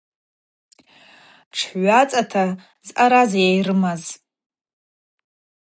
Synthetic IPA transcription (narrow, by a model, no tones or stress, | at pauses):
ʈ͡ʂʰɥʷat͡sʼatʰa | zʔaɾazjajrɨmaz